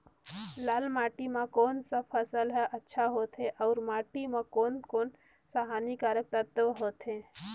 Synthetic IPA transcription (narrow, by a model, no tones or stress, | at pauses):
laːlmaːʈimãkoːnsapʰəsəlɦɛʔətːʃʰaɦoːt̪ʰɦeʔaʊɾmaːʈimãkoːnkoːn | saɦaːnikaːɾək̚t̪əɾt̪əʋɦoːt̪ʰɦẽ